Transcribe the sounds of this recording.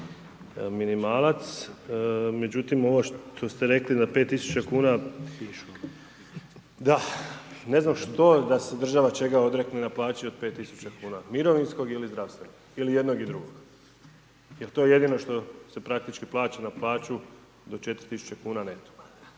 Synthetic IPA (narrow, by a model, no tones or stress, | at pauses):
minimaːlˠat̪s | me̞d͡ʑut̪imo̞ʋoʃt̪ʰo̞st̪eɾe̞klid̪ape̞t̪ːisu̥t͡ɕakuːna | d̪ane̞znamʃt̪o̞d̪ase̞d̪r̩ʒaʋat͡ʃe̞ɡao̞d̪ɾeknenaplˠaːt͡ɕiope̞ːt̪ːisut͡ɕakuːnamiɾo̞ʋinsko̞ɡilizd̪ɾaʋst̪ʋenoɡilije̞d̪no̞ɡid̪ɾuɡoɡ̥ | jelt̪o̞jeje̞d̪ino̞ʃt̪o̞se̞pɾak̚t̪it͡ʃkiplˠaːt͡ɕanaplˠaːt͡ɕu | d̪o̞t͡ʃe̞t̪ɾit̪isu̥t͡ɕekuːnanet̪o̥